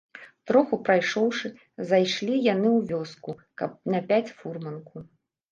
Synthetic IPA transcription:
t̪ɾɔxupɾajʂɔwʂɨ | zajʂlʲijanɨwvʲɔskukɐp̚nɐpʲat͡sʲfurmɐnku

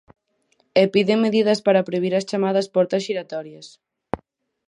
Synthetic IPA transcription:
epiðeŋmeðiðɐspaɾapɾojβiɾɐst͡ʃamað̞ɐspɔɾt̪ɐsʃiɾat̪ɔɾjɐs

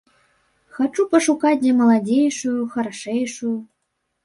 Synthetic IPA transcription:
xat͡ʂupəʂukat̚ʲd̪ʲɛmɐlˠadʲejʂujuxəɾaʂɛjʂuju

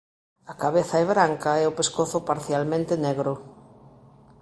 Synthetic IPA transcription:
ɐkaβeθɐɛβɾaŋkɐɛʊpeskoθʊpaɾθjalmẽnt̪enɛɣɾʊ

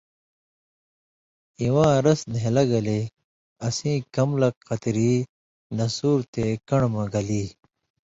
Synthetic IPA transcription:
iwãːɾɐsneelɐɡɐle | ɐsĩːkɐmlɐkqɐt̪ɾiː | nɐsuːɾt̪ekɐɳmɐɡɐliː

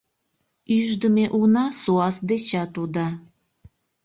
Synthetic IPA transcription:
yʒd̪əmeʔunɑsuɑsd̪et͡ɕɑt̪ud̪ɑ

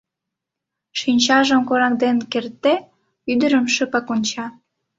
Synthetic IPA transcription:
ʃinʲt͡ɕɑʒəmkoɾɑkd̪enkert̪ːe | yd̪əɾəmʃəpɑkonʲt͡ɕɑ

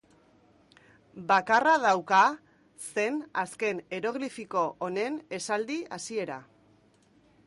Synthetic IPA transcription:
bakarað̞awka | se̞naske̞ne̞ɾo̞ɣlifiko̞ʔːne̞ne̞sald̪ia̰sie̞ɾa̰

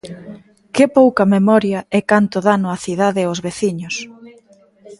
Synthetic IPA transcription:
kɪpowkɐmemɔɾjɐɛkant̪ʊðanʊɐθið̞aðɪʊzβeθiɲʊs

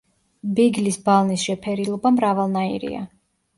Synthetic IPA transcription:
biɡlisbalˠnisʃɛpʰɛɾilˠɔbamɾavalˠnaḭɾḭa̰

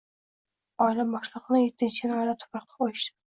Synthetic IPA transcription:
ɒɪlabɒʃlˠɨqnɪjet̪ʰːɪnt͡ʃʰɪnɒɪlat̪ʰʊ̥pɾɑqt̪ʰɑ̥ojɪʃd̪ɪ̥

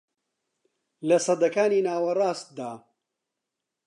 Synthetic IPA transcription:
lɐsɐd̪ɐkaːniːnaːwɐrˤɑːst̪̚d̪aː

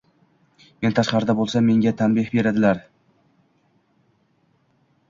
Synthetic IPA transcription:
me̞nt̪ʰaʃqɑɾɪd̪abolˠsamːe̞ŋɡʲat̪ʰanbihbe̞ɾad̪ɪlaɾ

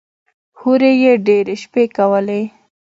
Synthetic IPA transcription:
huɾejeɖeɾeʃpekawəle

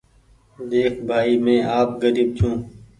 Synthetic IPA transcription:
d̪eːkʰbʱaːiːmẽːʔaːp̚ɡəɾiːb̚t͡ʃʰũː

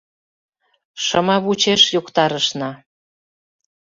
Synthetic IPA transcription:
ʃɤmɑβut͡ɕeʃjokt̪ɑɾəʃnɑ

